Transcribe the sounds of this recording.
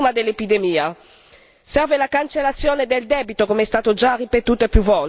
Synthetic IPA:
mad̪elːepid̪emiːa | sɛrvelakant͡ʃelːat̪sːjoːned̪eld̪ɛːbit̪okomeɛst̪aːt̪od͡ʒaripet̪uːt̪oepjuvɔl

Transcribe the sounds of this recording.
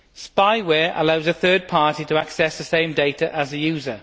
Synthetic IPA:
spaɪwɛːɹʔə̰laʊzəθɜːd̚pʰɑˑtitʰəaksɛsðəsẽɪ̃mdeɪtʰəʔəzəjʉːzə

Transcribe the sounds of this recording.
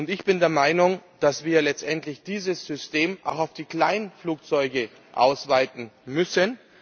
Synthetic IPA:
ʊntɪçb̥ɪndeːɐmaɪnʊŋd̥asv̥iːɐlɛt͡stʔɛntlɪçd̥iːzəsz̥ʏsteːmʔa̰ʊxaʊfd̥iːkl̥aɪnfluːk̚t͡sɔʏɡə | ʔa̰ʊsv̥aɪtn̩mʏsən

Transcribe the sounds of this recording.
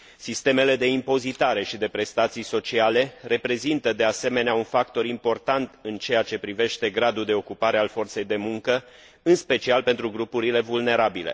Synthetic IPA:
sist̪e̞me̞le̞d̪e̞impo̞zit̪aɾe̞ʃid̪e̞pɾe̞st̪at̪sijso̞t͡ʃiale̞re̞pɾe̞zint̪əd̪e̞ase̞me̞neaunfakt̪o̞ɾimpo̞rt̪ant̪ɨnt͡ʃe̞jat͡ʃe̞pɾive̞ʃt̪e̞ɡɾad̪uld̪e̞o̞kupaɾe̞alfo̞rt̪se̞jd̪e̞muŋkə | ɨnspe̞t͡ʃialpe̞nt̪ɾuɡɾupuɾile̞vulne̞ɾabile̞̰

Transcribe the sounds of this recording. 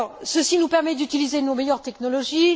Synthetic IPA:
səsinupɛʁmɛd̪yt̪ilizenomejœʁt̪ɛknɔlɔʒi

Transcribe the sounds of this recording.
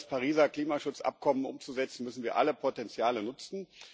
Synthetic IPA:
spʰaʁiːzɐkl̥iːmaʃʊt͡sʔa̰p̚kʰɔmənʔʊmt͡suzɛt͡sn̩mʏsn̩viːɐʔa̰ləpʰotɛnt͡sjaːlənʊt͡sn̩

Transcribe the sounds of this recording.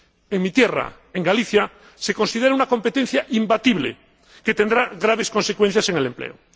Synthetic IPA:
eŋmit̪jera̰ | eŋɡaliθja | se̞ko̞nsið̞eɾaunako̞mpet̪en̟θjaʔimbat̪iβlḛ | ket̪end̪ɾaɣɾaβ̞esko̞nsekwen̟θjase̞ŋelemplḛo

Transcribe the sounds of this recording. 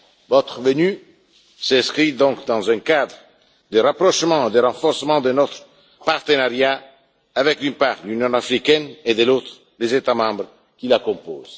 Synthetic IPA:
vɔt̪χəvəny | sɛ̃skχid̪ɔ̃kd̪ɑ̃zɛ̃kad̪ʁ | d̪əʁapʁɔʃmɑ̃ed̪əʁɑ̃fɔʁsəmɑ̃d̪ənɔt̪χ | paʁt̪ənaʁja | avɛkd̪ynpaʁlynjɔ̃afʁikɛned̪əlot̪χ | lezet̪amɑ̃bʁ | kilakɔ̃po̰ːz̥

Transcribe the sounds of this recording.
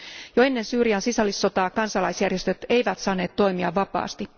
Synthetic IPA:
joe̞nːe̞nsyːɾiɑnsisɑlisːo̞t̪ɑːkɑnsɑlɑjsjærjest̪ø̞t̪e̞jʋæt̪sɑːnːe̞ːt̪ːo̞jmiɑʋʋɑpɑ̰ːst̪i

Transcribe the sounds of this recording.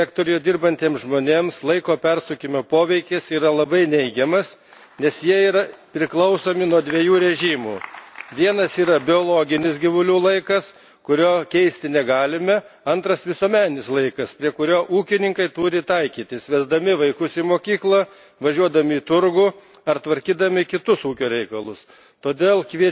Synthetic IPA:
æːkt̪oːɾʲɪjoːd̪ʲɪrbɐnʲt̪ʲeːmsʒmoːnʲeːmslˠɐɪkoːpʲɛrsʊkʲɪmʲoːpoːʋʲɛɪkʲɪsiːɾɐlˠɐbɐɪnʲɛɪɡʲɛmɐs | nʲɛsjiɛiːɾɐpʲɾʲɪklˠɐʊsoːmʲɪnuɔd̪ʲʋʲiɛjuːɾʲɛʒʲiːmuːʋʲiɛnɐsiːɾɐbʲɪoːlˠoːɡʲɪnʲɪsɡʲɪʋʊlʲuːlˠɐɪkɐs | kʊɾʲoːkʲɛɪsʲt̪ʲɪnʲɛɡɑːlʲɪmʲɛ | ɐnt̪ɾɐsʋʲɪsuɔmʲæːnʲɪslˠɐɪkɐspʲɾʲiɛkʊɾʲoːʔuːkʲɪnʲɪŋkɐɪt̪uːɾʲɪt̪ɐɪkʲiːt̪ʲɪsʋʲɛzd̪ɐmʲɪʋɐɪkʊsimoːkʲiːklˠɐ | ʋɐʒʲuɔd̪ɐmʲɪit̪ʊɾɡuː | ɐɾt̪ʋɐɾʲkʲiːd̪ɐmʲɪkʲɪt̪ʊsuːkʲoːɾʲɛɪkɐlˠʊs | t̪oːd̪ʲeːlˠkʋʲiɛ

